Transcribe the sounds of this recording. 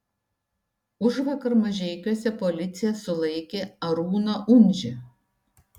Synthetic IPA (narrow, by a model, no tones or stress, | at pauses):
ʊʒʋɐkɐɾmɐʒʲɛɪkʲuɔsʲɛpolʲɪt̪sʲɪjɛsʊlˠɐɪkʲeːɐɾuːnoʔʊnʲʒʲɪ